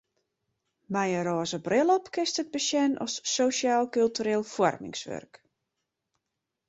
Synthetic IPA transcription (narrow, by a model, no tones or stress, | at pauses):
mɛjəɾɔːzəbrɪlˠɔpkɪstəd̚bəsjɛnʔɔ̰sːoʃjaːlˠkylˠtyɾeːlˠfwɔrmɪ̰ŋsʋø̰rk